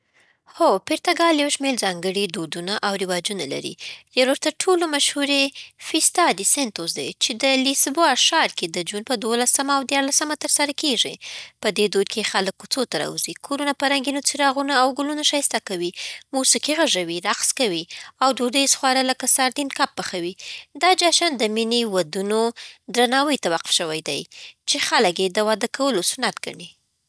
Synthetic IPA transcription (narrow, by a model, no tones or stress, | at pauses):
xopɪɾt̪aɡɑljawʃmeɾzɑŋɡəɽid̪od̪unaʔawɾɪwɑd͡ʒunala̰ɾḭjaɾwoɾt̪aʈʰolomaʃhuɾefist̪ɑd̪isent̪ozd̪a̰jt͡ʃed̪əlisboʃɑɾked̪əd͡ʒunpəd̪wolasəmaːwd̪jɑɾlasəmat̪əɾsaɾakeʐḭpəd̪ed̪od̪̚kʰexaləkːut͡sot̪aɾɑ̰uzikʰoɾunapəɾaŋɡinot͡siɾɑɣunaːwɡʊlunaʃɑjst̪akawimosikiɣaʐawiɾaqskawiawɖoɖəjsxwɑɾaləkasaɾd̪inkap̚ːaxawid̪ɑd͡ʒɑʃɑnd̪əminiwad̪unod̪ɾanɑwəjt̪awaqʊ̥fʃəwajd̪a̰jt͡ʃexaləkjed̪əwɑd̪akawəlosʊnat̪ɡa̰ɳi